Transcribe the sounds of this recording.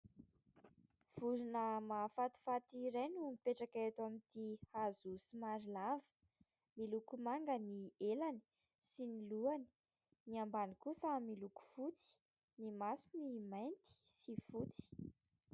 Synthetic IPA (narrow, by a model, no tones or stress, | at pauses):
v̥uɾunəmafat̪u̥fat̪iɾajnumipeʈ͡ʂakaet̪amint̪ihazusimaɾilavə̥ | milukumaŋɡənielani̥ | siniluani̥ | niambanikusamiluku̥fut͡si̥ | nimasunimajnt̪i̥sifut͡si̥